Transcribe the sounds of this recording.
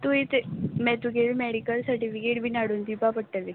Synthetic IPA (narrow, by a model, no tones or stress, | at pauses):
t̪uit̪emɛt̪uket̪mɛɽikəlsəɾʈifikeʈ̚bʱiːnaɽuːnd̪ibapəɽʈːəli